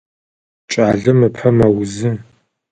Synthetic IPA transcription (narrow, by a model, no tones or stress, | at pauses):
t͡ʃʼaːɮɨmɨpʰɐmɐwʊzɨ